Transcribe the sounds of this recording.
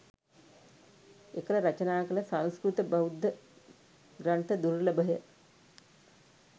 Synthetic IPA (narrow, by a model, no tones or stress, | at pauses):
ekələɾat͡ʃənaːkələsãnskɾut̪əbaud̪ʱːə | ɡɾant̪əd̪uɾləbəɦə